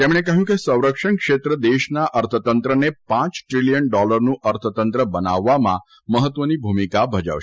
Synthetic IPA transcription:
t̪emɽ̃ekəɦjũkesə̃w̃ɾəkʂəɳkʃet̪ɾəd̪eʃnaʔəɾt̪ʰət̪ənt̪ɾənepãt͡ʃʈɾiljənɖɔləɾnũʔəɾt̪ʰət̪ənt̪ɾəbənaʋːamã̰ | məɦət̪ʋənibʱumikabʱəd͡ʒə̰ʋʃ

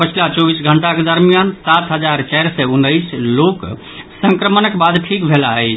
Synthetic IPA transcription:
pət͡ʃʰilat͡ʃobisɡʱəɳʈaked̪əɾmijansat̪ɦəd͡ʒaɾt͡ʃajɾsɛunːəjslok | sə̃ŋkɾəmənəkebad̪ʈʰikbʱelaət͡ʃʰ

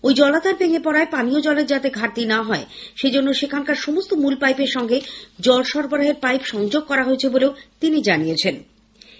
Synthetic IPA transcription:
ojd͡ʑɔlat̪aɾbeŋepɔɾaepaniod͡ʑɔleɾd͡ʑat̪eɡʱaɾt̪inaɦɔeʃed͡ʑonːoʃekʰankaɾʃomost̪omulpajpeɾʃɔŋɡed͡ʑɔlʃɔɾboɾaɦeɾpajpʃɔŋd͡ʑoɡ̚kɔɾaɦoet͡ɕʰeboleot̪inid͡ʑanijet͡ɕʰen

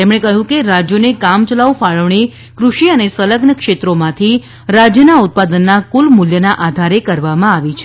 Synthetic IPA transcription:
t̪emɽ̃ekəɦũkeɾad͡ʒjonekamt͡ʃəlaʋufaɭəʋɳi | kɾuʃiənesələɡnəkʃet̪ɾomãt̪ʰi | ɾad͡ʒjənaut̪̚pad̪ənːakulmuljənaʔad̪ʱaɾekəɾʋamãaʋit͡ʃʰ

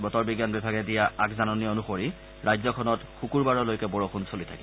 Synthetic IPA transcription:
bɔtɔɹbiɡjanbibʱaɡɛdijaakzanɔnionuxoɹi | ɹajzɔkʰɔnɔtxukuɹbaɹɔlojkɛbɔɹɔxunsolitʰa̰ki

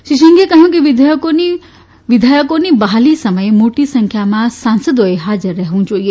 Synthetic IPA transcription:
ʃiʃ̬əŋɡekəɦjũkiʋɪd̪ʱjkoni | ʋɪd̪ʱajəkonibɐɦalisəməjmoːʈisə̃ŋkʰjamãsãnsəd̪oeɦaːd͡ʒəɾːɐɦeʋũd͡ʒoːie

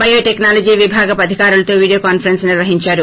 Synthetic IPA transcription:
bɐjoːʈeknaːlɐd͡ʒiːʋibʱaːɡɐpɐd̪ʱikaːɾulɐt̪oːʋiːɽioːkaːnpʰɐɾensniɾʋɐɦiɲt͡ʃaːɾu

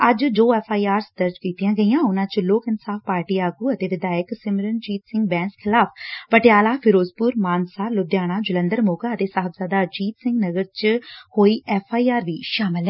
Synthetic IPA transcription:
əd͡ʒd͡ʒoːɛːpʰaːiːaːɾsd̪əɾd͡ʒkiːt̪ijãːɡəijãːʊnãːt͡ʃloːkɪnsaːfpaːɾʈiːaːɡuːət̪eːʋɪd̪aːjəksɪmɾənd͡ʒiːt̪sɪ̃ŋɡbɛ̃ːnskʰɪlaːpʰpəʈɪjaːlaːpʰɪɾoːzpuːɾmaːnsaːlʊd̪jaːɽ̃aːd͡ʒələ̃nd̪əɾmoːkaːət̪eːsaːɦəbzaːd̪aːd͡ʒiːt̪sɪ̃ŋɡnəɡəɾt͡ʃhoːiːʔɛːpʰaːiːaːɾʋiːʃaːmɪlɦɛ̃ː

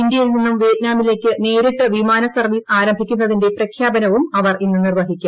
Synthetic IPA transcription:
indjɐjilninːumʋeːt̪̚naːmile̞ːkːɨne̞ːɾiʈːɨʋimaːnɐsɐrʋiːsaːɾɐmbʱikʲːunːɐðinde̞prɐkʰjaːbɐnɐʋumɐʋɐrinːɨnirʋɐɦikʲːa

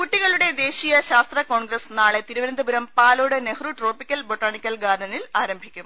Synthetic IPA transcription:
kuʈːiɣɐɭuɽe̞d̪e̞ːɕijɐɕaːst̪rɐko̞ːɳɡrɐsnaːɭe̞t̪iɾuʋɐɾɐnd̪ʱɐbuɾɐmpaːloːɽenehruʈro̞ːpikʲːɐlboʈːaːɳikʲːɐlɡaːɾɳɐnilaːɾɐmbʱikʲːum

